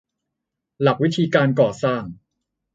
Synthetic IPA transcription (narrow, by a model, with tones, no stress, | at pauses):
la˨˩k̚wi˦˥t̪ʰiː˧kaː˧nkɔː˨˩saː˥˩ŋ